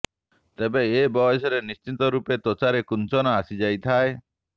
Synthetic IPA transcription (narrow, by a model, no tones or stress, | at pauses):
t̪ebeːbɔesɔɾenist͡ʃit̪ɔɾupet̪ot͡ʃaɾekunt͡ʃɔnaasid͡ʒajt̪ʰae